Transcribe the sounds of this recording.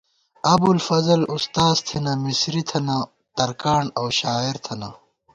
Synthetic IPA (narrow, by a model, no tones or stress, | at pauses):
ɐbulfɐzɐlust̪aːzt̪ʰinɐmisɾit̪ʰɐna | t̪ɐɾkaːɳɐwɕaːiɾt̪ʰɐna